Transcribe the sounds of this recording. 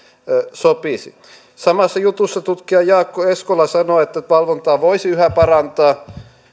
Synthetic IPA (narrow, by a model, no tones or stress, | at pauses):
sopisḭ | sɑmɑsːɑjut̪usːɑt̪ut̪kiɑjɑːkːoeskolɑsɑnoet̪ːæʋɑlʋont̪ɑːʋoisiyhæpɑrɑnt̪ɑː